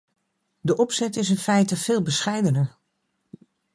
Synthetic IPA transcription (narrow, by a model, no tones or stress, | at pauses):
dəʔɔpsɛtɪs̬ɪnfɛjtəfɪːlˠbəsχɛjdənəɹ